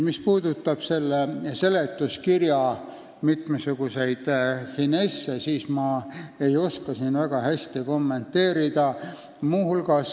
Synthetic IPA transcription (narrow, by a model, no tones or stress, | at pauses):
mispuːd̪̥ut̪ːˑɑb̥se̞lːese̞let̪ːˑuskirjɑ | mit̪mesuɡ̥use̞jd̪̥hinesːesiːsmɑe̞jo̞skɑsinvæɡ̥ɑhæsʲt̪iko̞mːe̞nt̪ːe̞ːɾid̪̥ɑ | muːhulɡ̥ɑs